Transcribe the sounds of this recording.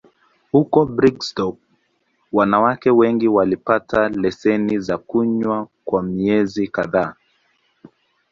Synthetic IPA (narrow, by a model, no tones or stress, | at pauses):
hukɔbɾikstɔk̚ | wanawakɛwɛŋɡiwalipatʰalɛsɛnizakuɲwakwamiɛzikaðaː